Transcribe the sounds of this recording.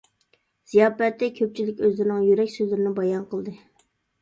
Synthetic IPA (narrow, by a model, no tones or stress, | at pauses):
z̥ijɑːpɛt̪ːɛkʲʰøp̚t͡ʃʰilɪkʲøzlɪɾɪnɪŋjyɾɛkʲsøzlɪɾɪnɪbɑjɑnqəlˠd̪ɨ